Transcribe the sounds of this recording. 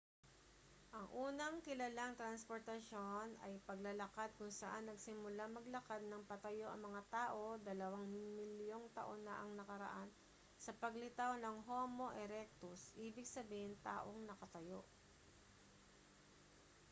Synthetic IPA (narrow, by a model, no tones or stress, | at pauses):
ʔɐŋʔuːnɐŋkɪlɐlaŋt̪ɾɐnspoɾt̪ɐʃo̞nɐjpɐɡlɐlɐkad̪̚kʊŋsɐʔanːɐɡsɪmʊlamɐɡlɐkad̪̚nɐŋpɐt̪ɐjo̞ʔɐ̰ŋmɐŋat̪aːʔo̞d̪ɐlɐwaŋmɪljo̞ŋt̪ɐ̰ʔo̞nːɐʔɐŋnɐkɐɾɐ̰ʔan | sɐpɐɡlɪt̪awnɐŋɦo̞ːmo̞ʔɛɾɛk̚t̪ʊsʔiːbɪɡ̚sɐbiːhɪnt̪a̰ːʔo̞ŋnɐkɐt̪ɐjo̞ʔ